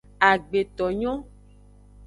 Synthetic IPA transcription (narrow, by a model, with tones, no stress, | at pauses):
a˨ɡ͡be˨t̪ɔ˨ɲɔ̃˦